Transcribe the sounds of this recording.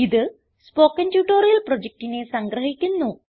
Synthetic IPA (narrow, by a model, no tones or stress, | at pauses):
iðɨ | spo̞ːkːɐntjuːʈːoːrijɐlprod͡ʑek̚ʈine̞sɐŋɡrɐɦikʲːunːu